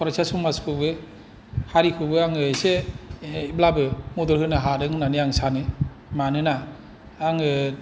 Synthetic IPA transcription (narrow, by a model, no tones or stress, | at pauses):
pʰaɾasasumaskʰɯbɯ | haɾikʰɯbɯaŋɯse | iblabɯmɔdɔɾhɯnaɦaɾɯŋɯnaniaŋsanɯ | manɯnaː | ŋɯ